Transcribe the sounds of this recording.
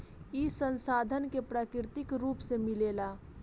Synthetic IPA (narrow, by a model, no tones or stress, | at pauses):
isə̃nsaːd̪ʱənkepɾaːkɪɾɪt̪ɪkɾuːpsemɪleːlaː